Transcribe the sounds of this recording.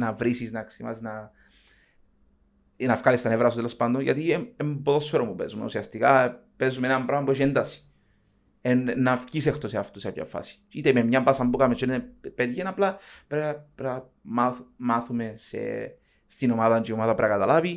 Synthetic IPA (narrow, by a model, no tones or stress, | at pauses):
navɾisisnaksima̰sna | nafkalist̪anevɾasut̪elospand̪oʝa̰t̪ieemboðosoɾomupesumenṵsiast̪ikapesumenampɾamboʃend̪asi̥ | ennːafcis̬ext̪oseaft̪usea̰pja̰fa̰si̥it̪ememɲampasambukamet͡ʃenepet̪ʝenaplapɾapɾa | maθmaθumesḛ | st̪inomaðant͡ʃiomaðapɾakat̪alavi